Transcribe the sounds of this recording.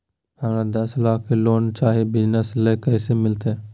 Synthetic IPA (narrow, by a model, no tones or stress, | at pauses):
həmɾad̪ɐslaːkʰːeloːnt͡ʃaːɦibɪd͡ʒnəsleːkɛːsemɪlt̪ɛ